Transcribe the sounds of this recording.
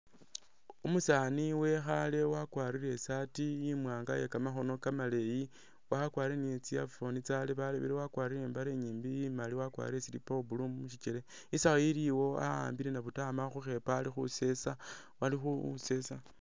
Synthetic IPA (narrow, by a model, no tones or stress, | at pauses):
umusaniwe̞xale̞wakwaːɾiɾe̞satijimwaːŋɡa̰jekamaxo̞no̞kamale̞ji | wakwaːɾiɾeniet͡sijafo̞nit͡saleβalḛβḛɾewakwaɾiɾeːmbaɾeɲiːmbijimaliwakwa̰ɾiɾesiɾḭpobulumuʃit͡ʃele | isaxaiɾiwo̞a̰a̰ːmbiɾenaβutamaxuxe̞paːlixṵse̞sa | walixṵse̞sa